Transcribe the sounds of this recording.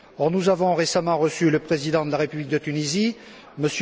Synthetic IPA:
ɔʁnuzavɔ̃ʁesamɑ̃ʁəsyləpχezid̪ɑ̃d̪əlaʁepyblik̚d̪ət̪ynizi | məs

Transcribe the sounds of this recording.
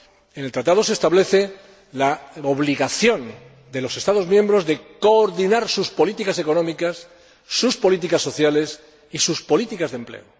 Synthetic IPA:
enelt̪ɾat̪aðo̞sest̪aβle̞θe̞ | laoβliɣaθjõ̞n | d̪e̞lo̞se̞st̪aðo̞zmjẽmbɾo̞zðe̞ko̞ːɾðinaɾsuspo̞lit̪ikase̞konomikasː | uspo̞lit̪̬ikasːo̞θjale̞s | isuspo̞lit̪ikazðe̞mplḛo

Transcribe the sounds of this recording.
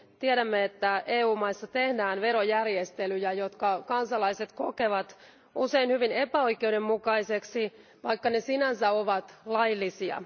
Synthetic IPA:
t̪iɛɾæmːeet̪ːæʔeːuːmɑisːɑt̪ehdæːnʋeɾojærjest̪elyjæjot̪kɑkɑnsɑlɑiset̪kokeʋɑt̪ | useinhyʋinepæoikeudemmukɑiseksi | ʋɑikːɑnesinænsæoʋɑt̪lɑjlːisiɑ̰

